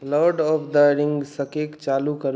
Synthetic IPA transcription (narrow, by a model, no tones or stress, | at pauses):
lɔɖɔpʰd̪əɾiŋɡsəkekt͡ʃalukəɾ